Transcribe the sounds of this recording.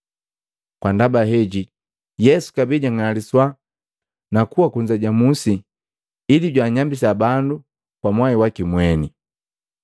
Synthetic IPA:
kwandabaɦɛɟi | jɛsu̥kabiɟaŋaliswa | nakuwakuɲd͡ʒaɟamusiː | liɟwaːɲambis̬abandu | kwamwaiwakimwɛni

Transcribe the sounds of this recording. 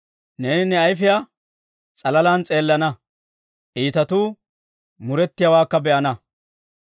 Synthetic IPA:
neːnɪnɛɐjfɪja | t͡sʼɐlɐlaːnt͡sʼe̞ːlːɐnɐ | ʔiːt̪ɐt̪uː | mʊɾɛt̪ːɪjɐwaːkːɐbɛʔɐnɐ

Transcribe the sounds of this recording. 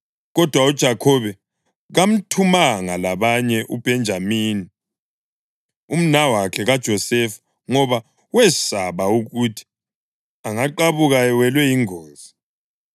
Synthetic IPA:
ɣɔd̥ʱwaud̥ʒ̥ʱakʰɔβɛ | ɣam̩tʰumaŋalaβaɲɛʔub̥ʱɛnd͡ʒʱamiːni | um̩nawakʰɛɣad̥ʒ̥ʱɔsɛf | ŋɔβa | wɛsaβauɣutʰi̥ | aŋaǃaβuɣawɛlwɛiŋoːnzi

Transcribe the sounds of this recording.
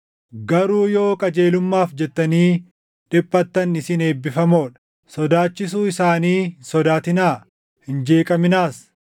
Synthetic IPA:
ɡɐɾuːjo̞ːkʼɐd͡ʒe̞ːlʊmːaːfd͡ʒɛt̪ːɐniː | ᶑɪpʼːɐt̪ːɐnɪsɪne̞ːbːɪfɐmoːᶑɐ̥ | sɔd̪aːt͡ʃːɪsuːɪsaːniːsɔd̪aːt̪ɪnaː | hɪnd͡ʒe̞ːkʼɐmɪnaːs

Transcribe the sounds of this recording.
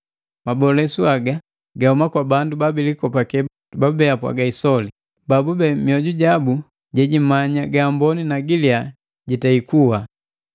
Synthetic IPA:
mabɔlɛsuaɡa | ɡahumakwabandubabilikɔpakɛ | babɛapwa̰ɡaisɔli | babubɛmiɔɟuɟabu | ɟɛɟimaɲaɡaːmbɔninaɡilia | ɟitaikuwa

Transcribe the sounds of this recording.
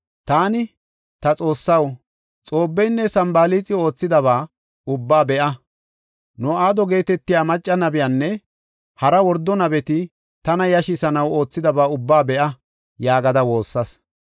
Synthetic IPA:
t̪aːnɪ | t̪ɐt͡sʼo̞ːsːɐw | t͡sʼo̞ːbːɛjnːɛsɐmbaːliːt͡sʼɪo̞ːt͡sːɪd̪ɐβaː | ʊbːaːbɛʔɐ | nʊaːd̪ɔɡe̞ːt̪ɛt̪ːɪjaːmɐt͡ʃʼːɐnɐbɪjanːɛ | hɐɾɐwɔɾd̪ːɔnɐbɛt̪ɪ | t̪ɐnɐjɐʃɪsɐnɐwo̞ːt͡sːɪd̪ɐbaːʊbːaːbɛʔɐ | jaːɡɐd̪ɐwo̞ːsːɐs

